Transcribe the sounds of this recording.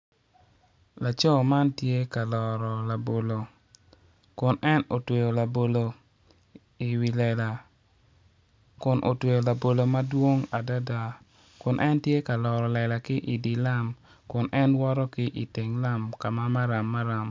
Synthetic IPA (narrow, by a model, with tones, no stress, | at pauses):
la˨t͡ʃɔ˦˨ma˦ntje˦ka˨lɔ˨ɾɔ˨la˨bo˨lo˨ | kʊ˨nɛ˦no˨twe˨jo˨la˨bo˨lo˨ | i˨wi˨lɛ˨la˨ | kʊ˨nʔo̰˨twe˨jo˨la˨bo˨lo˨ma˦dwo˦ŋa˨da˦da˨ | kʊ˨nʔɛ˦ntje˦ka˨lɔ˨ɾɔ˨lɛ˨la˨kɪ˦ʔi˨di˨la˦m | kʊ˨nʔɛ˦nwɔ˦ɾɔ˦kɪ˦ʔi˨te˨ŋla˦mka˨ma˦ma˦ɾa˨mːa˦ɾa˨m